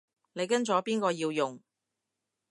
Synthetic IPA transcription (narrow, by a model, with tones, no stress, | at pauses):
ne˨˧jkɐ˥nt͡sɔː˨˥piː˥nkɔː˧jiː˧wjʊ˨ŋ